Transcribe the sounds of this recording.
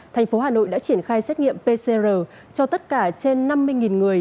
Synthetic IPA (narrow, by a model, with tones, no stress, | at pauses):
t̪ʰa˨˩ŋ̟fo˨˦ɦaː˨˩no̰˧˨jɗa̰ː˧˥t͡ɕi˧˩ənxaː˧jsɛ˦˥t̚ŋḭ˧˨əmpe˧se˧zəː˨˩ | t͡ɕɔ˧t̪ə˦˥t̚kaː˧˩t͡ɕe˧nːa˧mːɨ˧əjŋi˨˩nŋɨ˨˩əj